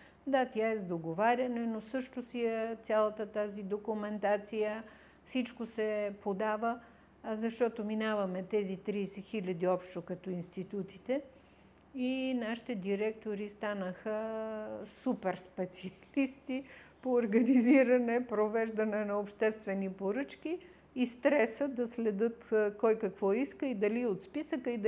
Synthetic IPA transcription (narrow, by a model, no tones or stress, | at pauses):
d̪at̪ʲjaɛzd̪oɡovaɾʲɐnɛnosɤʃt̪osiɛt̪ʲalˠət̪ət̪azid̪okumɛnt̪at̪sijə | fsit͡ʃkosɛpod̪avə | zɐʃt̪ɔt̪ominavɐmɛt̪ɛzit̪ɾiːsɛxilʲɐd̪iɔpʃt̪okɐt̪ɔinst̪it̪ut̪i̥t̪ɛ | inaʃi̥t̪ɛd̪iɾɛk̚t̪oɾist̪anəxə | supɛɾspɛt̪siɐlist̪ipoːɾɡɐniziɾɐnɛpɾovɛʒd̪ɐnɛnɐopʃt̪ɛst̪vɛnipoɾɤt͡ʃk̟iː | st̪ɾɛsəd̪ɐslɛd̪ɤt̪kɔjkɐkvɔiskəid̪ɐliot̪spisəkəid̪